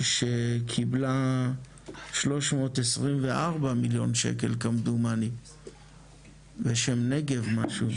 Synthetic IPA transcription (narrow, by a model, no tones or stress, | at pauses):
ʃekʰibla | ʃlo̞ʃmo̞ːt̪esʁimveʔaʁbamiljo̞̰nʃḛke̞̰lkamd̪umani | veʃemneɡe̞vmaʃu